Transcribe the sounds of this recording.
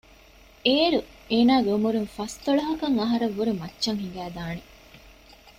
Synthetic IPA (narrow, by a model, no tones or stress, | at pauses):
eːɾu | eːnaːɡumuɾuŋfɐst̪oɭɐɦɐkɐŋɐɦɐɾɐʋːuɾumɐtːʃɐŋɦiŋɡæːd̪aːne